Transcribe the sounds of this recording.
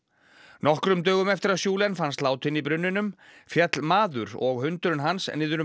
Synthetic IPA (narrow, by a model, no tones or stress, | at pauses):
nɔhkɾʏmt̪œːɣʏmɛft̪ɪɾaðsjuːlɛnfanst̪laːwt̪ʰɪnipɾʏnːʏnʏmfjɛt̪lmaːðʏɾɔ̰ɣhʏnt̪ʏɾʏnɦansɛ̰nːiðʏɾ